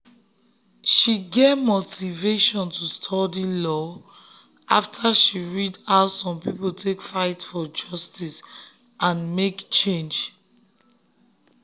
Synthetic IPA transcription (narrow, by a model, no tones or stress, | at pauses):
ʃiɡevmotiveʃɔ̃ntʰustʰɔdilɔ | ʔa̰ftʰaʃiɹidaʊsɔ̃mpipotʰekfaɪtfɔd͡ʒɔstis | ʔãnmekt͡ʃẽnd͡ʒ